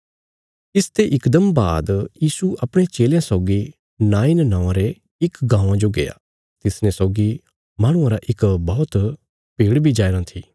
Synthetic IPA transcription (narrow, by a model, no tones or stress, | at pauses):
ɪst̪ʰeʔɪkd̪əmba̰ːd̪jiːsuʔɐpɽ̃et͡ʃeːljãsɔːɡi | naːɪnnãːãɾe | ɪkɡãːãd͡ʒoɡḛːa̰ | t̪ɪsnẽsɔːɡi | maːɽ̃ʊ̃ãɾaʔɪkbɔːt̪ | piːɽbʱid͡ʒaːɾãt̪ʰiː